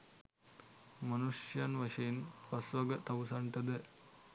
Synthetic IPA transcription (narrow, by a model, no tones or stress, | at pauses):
mɐnuʂjɐnʋɐʃɐjinpɐsʋɐɡɐt̪ɐʋsɐɳʈ̪ɐd̪e